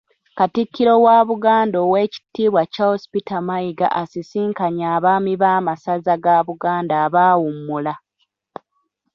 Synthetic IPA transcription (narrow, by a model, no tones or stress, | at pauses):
katikʰːiɾo̞waːβuɡaːndo̞ːwe̞ːci̥tːiːβwacahospitamaiɡa̰ʔasisiːŋkaɲaːβaːmiβaːmasazaɡaːβuɡaːndaːβaːwumːula